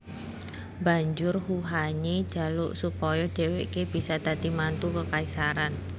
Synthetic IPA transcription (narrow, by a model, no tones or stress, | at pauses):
ba̤ɲd͡ʒʊrhuɦaɲid̥d͡ʒ̥a̤lʊʔsupɔjɔɖ̥e̤weʔkeb̥i̤sad̪̥a̤d̪̥i̤mant̪ukəkaisaɾan